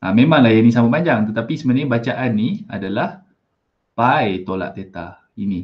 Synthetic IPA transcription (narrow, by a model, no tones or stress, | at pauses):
ʔamemãŋlajanisamaʔpaɲd͡ʒaŋt̪ət̪apisəmənabat͡ʃaʔanːia̰dalah | pajt̪ola̰ʔt̪et̪a̰ | ini